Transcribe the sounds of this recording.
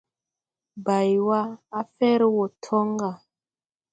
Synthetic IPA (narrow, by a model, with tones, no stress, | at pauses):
ba˨jwa˦a˦fɛ˦ɾwo˨tʰɔ˦ŋɡa˨